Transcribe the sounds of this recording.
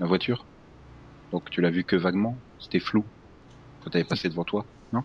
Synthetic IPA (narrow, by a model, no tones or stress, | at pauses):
mavwat̪ʰyːʁ | d̪̥ɔ̃kt̪ylavykəvaɡmɑ̃ | se̥t̪ɛflu | kɑt̪avɛpased̪əvɑ̃t̪wa | nɔ̃